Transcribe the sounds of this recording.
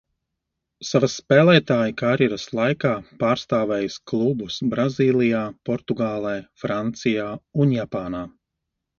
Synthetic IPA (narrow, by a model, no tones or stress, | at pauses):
savasːpɛːlˠɛːt̪aːjikaːɾjɛɾaslˠajkaːpaːɾst̪aːvɛːjsklˠubusbɾaziːlˠijaːpɔɾt̪uɡaːlˠɛːfɾant̪sijaːunjapaːnaː